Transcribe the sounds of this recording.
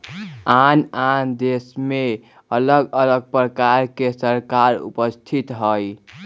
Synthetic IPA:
anand̪esme | ələɡələɡ̚pɾəkaɾkesəɾkaɾṵpəst̪ʰit̪ɦəj

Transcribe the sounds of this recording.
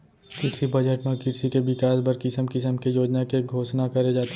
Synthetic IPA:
kɪɾsibɐd͡ʒəʈmẽkɪɾsikeʋɪkaːsbɐɾkɪsəmkɪsəmkejoːd͡ʒnakeɡʱoːʃnakɐɾed͡ʒaːt̪e

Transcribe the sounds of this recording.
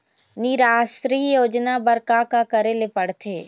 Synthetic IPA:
nɪɾaːsɾijoːd͡ʒnabəɾkakakəɾelepəɽt̪ʰeː

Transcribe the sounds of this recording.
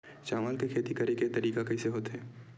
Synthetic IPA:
t͡ʃaːmaːlkekʰeːt̪ikɐɾeket̪ɐɾiːkakɐiseɦoːt̪eɦɛː

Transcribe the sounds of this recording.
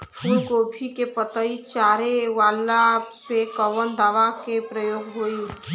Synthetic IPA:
pʰuːlkoːbʰʱikepət̪əit͡ʃaːɾeʋaːlːapekɔʋənd̪aːʋakepɾəjoːɡɦoːi

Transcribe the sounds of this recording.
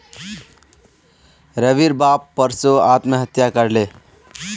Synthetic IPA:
ɾəʋiɾbapːəɾsoat̪məɦət̪jakəɾle

